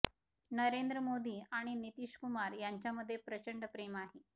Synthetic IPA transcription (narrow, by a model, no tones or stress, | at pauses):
nəɾend̪ɾəmod̪iːaɽ̃init̪iʂkumaɾjaɲt͡ɕjaməd̪ʱːjepɾət͡ɕəɳɖpɾemaɦe